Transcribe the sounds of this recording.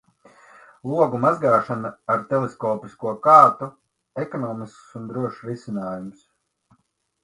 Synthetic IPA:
lˠuɔɡumazɡaːʃanaaɾt̪ɛlˠeskɔːpiskuɔkaːt̪u | ɛkɔnɔːmisksund̪ɾuɔʃɾisinaːjums

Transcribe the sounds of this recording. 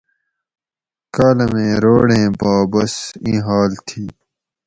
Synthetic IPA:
kaːlɐmẽːɾoːɽẽːbaːbɐsĩːɦaːlt̪ʰiː

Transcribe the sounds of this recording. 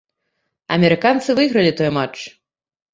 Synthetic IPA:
ɐ̰mʲɛɾɨkant̪sɨvɨɣɾɐlʲit̪ɔjmat͡ʂ

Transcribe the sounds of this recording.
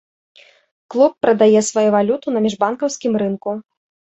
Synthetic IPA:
klˠupːɾɐd̪ajɛsvajuvalʲut̪unɐmʲiʐbankɐwsʲkʲimɾɨnku

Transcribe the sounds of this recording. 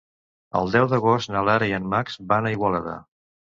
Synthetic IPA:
ə̰lˠd̪ɛwðəɣost̪nəlaɾiənmakzbanəiɣwələða̰

